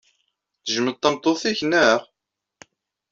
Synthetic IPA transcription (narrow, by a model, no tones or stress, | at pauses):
θəʒəməd̪̚t̪ˤːɑmt̪ˤːoθiçnæʁ